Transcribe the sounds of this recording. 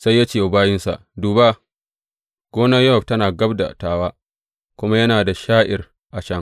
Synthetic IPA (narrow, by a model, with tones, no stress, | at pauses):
sa˦jːa˦t͡ʃeː˦˨ʊ˨baː˦jɪ˦nsa̰˨ʔduː˨baː˦ | ɡ̥ʷoː˦nɐ˦jːɐ˦hɐ˨b̚tɐ˦naː˨ɡɐ˦bda̰˨taː˨waː˦ | kʷʊ˦ma˦jɐ˦naː˨da˨ʃaː˦ʔɪ˨r | ʔa˨t͡ʃɐ˦ŋ